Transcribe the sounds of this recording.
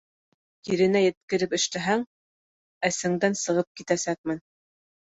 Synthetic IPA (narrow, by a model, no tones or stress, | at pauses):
iɾɘ̆næjɘ̆t̪̚kɘ̆ɾɘpɘ̆ʃt̪æɦæŋ | æsɘ̆ŋd̪ænsɤ̆ʁɤp̚kit̪æsæk̚mɘn